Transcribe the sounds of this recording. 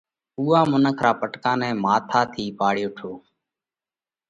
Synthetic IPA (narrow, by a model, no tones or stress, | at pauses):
uːaːmʊnəkʰɾaːpəʈkãːnɛ̃ːmaːt̪ʰaːt̪ʰiːpaːɽjoːʈʰoː